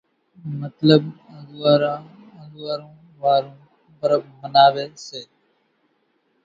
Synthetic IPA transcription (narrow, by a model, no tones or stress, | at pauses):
mət̪ləb | ə̃zʋaːɾãː | ə̃zʋaːɾõː | ʋaːɾõː | bəɾəb̚mənaːʋeːseː